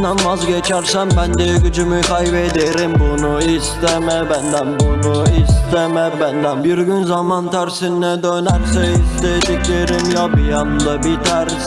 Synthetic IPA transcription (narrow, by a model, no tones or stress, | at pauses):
nanmazɟet͡ʃʰæɾsæmbænd̪eɟyd͡ʒymykʰajbed̪eɾimbunuist̪emɛbænd̪ænbunuist̪emɛbænd̪ænbiɾɡynzamant̪ʰæɾsinːɛd̪ønæɾsɛist̪ed̪ikʲleɾimjapɯjɑmd̪ɑbit̪ʰæɾs